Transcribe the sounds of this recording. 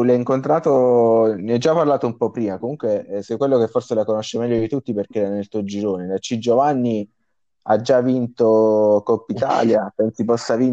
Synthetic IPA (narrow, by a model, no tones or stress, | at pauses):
lɛiŋkont̪ɾaːt̪oniɛd͡ʒːapːarlaːt̪oumpɔpːɾiːmakomuŋkwesɛkwelːokefːorselakonoʃːemɛʎːod̪it̪ut̪ːiperk̟eɛɾanelt̪uod͡ʒiɾoːnelat͡ʃːid͡ʒovanːi | a̰d͡ʒavint̪okɔpːit̪a̰ːljapɛnsipɔsːavin